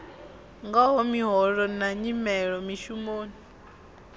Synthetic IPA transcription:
ŋɡaɦɔmiɦɔɺɔnaɲimɛɺɔmiʃumoːni

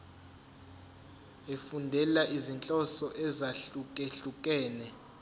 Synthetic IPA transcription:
efundʱɛlaʔizint͡ɬʼɔsɔʔɛzaɬukʼeɬukʼɛːnɛ

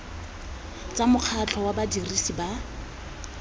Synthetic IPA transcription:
t͡samʊq͡χʰat͡ɬʰɔwabadirisiba

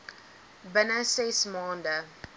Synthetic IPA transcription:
bənəsesmɑːndə

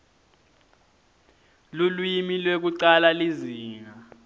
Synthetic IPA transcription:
lulwimilwek̬uǀalaliziːŋa

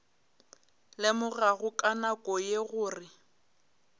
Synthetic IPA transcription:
lɪmʊɣaɣʊkʼanakʼɔjeɣʊːrɪ

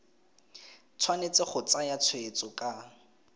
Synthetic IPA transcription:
t͡sʰwanet͡sɪχʊt͡sajat͡sʰʊet͡sʊkʼa

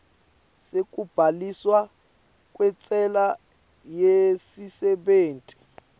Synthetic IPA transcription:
sek̬ʼub̥ʱaliswa | k̬ʼwɛt͡sʼɛla | jesisɛɓeːntʼi̥

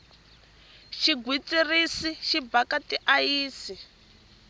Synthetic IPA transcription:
ʃiɡʱwit͡sʼirisiʃibakatiʔajiːsi

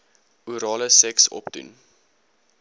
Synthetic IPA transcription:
uɾɑːləsɛksɔ̰pdṵn

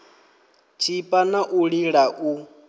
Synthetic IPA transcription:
t͡ʃʰipʼanaʔuɺiɺaʔu

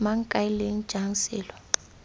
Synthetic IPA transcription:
maŋ̩kʼaileŋ̩̥ʒ̥ʱaŋsɛːlɔ

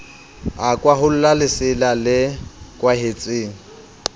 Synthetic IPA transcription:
akʼwaɦʊl̩lalɪsɪlalɪkʼwaɦet͡sʼeːŋ̩

